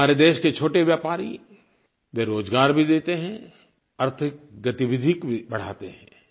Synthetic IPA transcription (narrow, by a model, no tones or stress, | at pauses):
aːɾed̪eːʃket͡ʃʰoːʈeʋjaːpaːɾḭ | ʋeɾoːd͡ʒɡaːɾbʱid̪eːt̪eɦɛ̃ | ɐɾt̪ʰɪk̚ɡɐt̪iʋɪd̪ʱikbʱibɐɽ̤a̰ːt̪eɦɛ̰̃ː